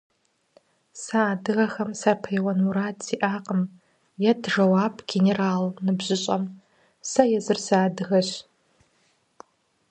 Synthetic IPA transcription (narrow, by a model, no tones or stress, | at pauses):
saːdɨɣɐxɐmsapʰejwɐnuɾaːtʰʼsiʔaːqʼəm | jadʰʐɐwaːpʰɡ̥ʲeneraːlnɨbʑɪɕʼɐm | sɐjɛzɨrsaːdɨɣɐɕ